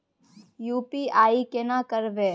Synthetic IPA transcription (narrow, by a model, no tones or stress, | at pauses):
juːpiaːikenaːkəɾbeː